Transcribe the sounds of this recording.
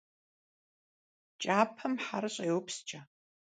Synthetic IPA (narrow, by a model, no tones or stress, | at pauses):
t͡ʃʼaːpʰɐmħarɨɕʼɐjwpʰst͡ʃʼɐ